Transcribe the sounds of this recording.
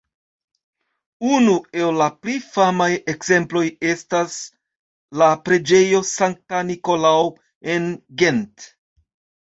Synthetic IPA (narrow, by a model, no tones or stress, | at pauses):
unue̞lːaplifamajekz̥e̞mplo̞je̞stas | lapɾe̞d͡ʒe̞jo̞saŋk̚tanikolao | enɡe̞nt